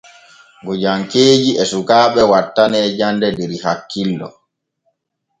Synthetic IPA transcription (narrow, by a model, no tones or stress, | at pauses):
ɡɔd͡ʒaŋkeːd͡ʒiɛsukaːɓɛwatːanɛːd͡ʒandɛdɛɾihakːilːɔ